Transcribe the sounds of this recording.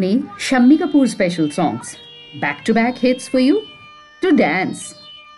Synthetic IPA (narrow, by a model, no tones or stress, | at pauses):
niʃɐmːikəpuːɾspɛʃəlsɔ̰̃ːŋs | bækʈubækhɪtsfɔɾju | ʈuɖæ̃ns